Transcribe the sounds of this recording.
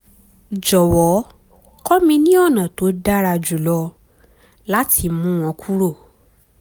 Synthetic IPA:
d͡ʒɔ˨wɔ˨˦ | kɔ˦mĩ˧nĩ˦ɔ˦˨nã˨to˨˦da˦ɾa˧d͡ʒu˨lɔ˧ | la˦ti˧mũ˦w̃ɔ̃˧˦kʰu˦ɾo˦˨

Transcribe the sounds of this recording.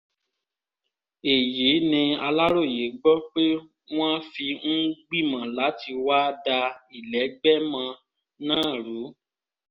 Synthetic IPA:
e˨je˨˦nĩ˧a˧la˦ɾo˦˨je˨˦ɡ͡bɔ˦k͡pe˦ | w̃ã˦fi˧n̩˦ɡ͡bi˦˨mã˨la˨˦ti˧wa˦da˧i˨lɛ˨˦ɡ͡bɛ˦mã˧ | nãː˦˨ɾu˨˦

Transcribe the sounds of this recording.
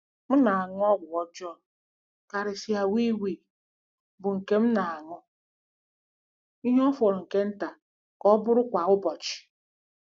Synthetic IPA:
m̩˦na˨a˨ŋ˦ɔ˦ɡʷʊ˨ɔ˦d͡ʒɔ˦˨n˨ | ka˨ɾɪ˨si˨˦a˨wi˦wi˨ | bʊ˨ŋ̩˨ke˦m̩˦na˨a˨ŋʊ˦ | i˦ɦɔ˦fɔ˨ɾɔ˨ŋ̩˨ke˦n̩˦ta˨ | kɔ˦bʊ˦ɾʊ˦kʷa˨ʊ˦bɔ˨t͡ʃɪ̥˨

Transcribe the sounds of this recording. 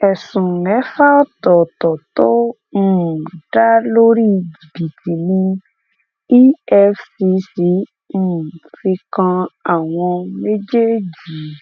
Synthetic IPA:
ɛ˨sũ˨nɛ˨˦fa˦ɔ˦t̪ɔ˨t̪ɔ˨t̪o˦ | m̩˨ɖa˦lo˦ɾi˦d͡ʒi˨bi˨t̪i˨nĩ˧ | i˦ɛ˧fsi˧si˨˦ | m̩˨fi˧kã˧a˨w̃ɔ̃˧me˦d͡ʒe˦d͡ʒi˨

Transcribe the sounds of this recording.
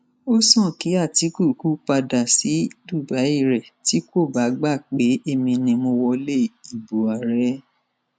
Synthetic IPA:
o˦sɔ̃˦˨ki˨˦a˦˨ti˨˦ku˦˨˦ku˦k͡pa˧da˨si˨˦du˦˨ba˨˦i˦˨ɾɛ˨ti˨˦ko˦˨ba˨˦ɡ͡ba˦˨k͡pe˨˦e˦˧mĩ˧nĩ˧mo˧wɔ˧le˦˨i˨bu˨a˨ɾɛ˨˧˦

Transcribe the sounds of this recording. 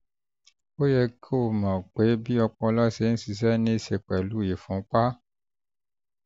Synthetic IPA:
wo˦jɛ˦kʰe˦wo˨mã˨k͡pe˨˦bi˦ɔ˧k͡pɔ˦la˦se˨˦n̩˦si˨s̬ɛ˦nĩ˦se˨k͡pɛ˨lu˦˨je˨fɔ̃˨˦k͡pa˦

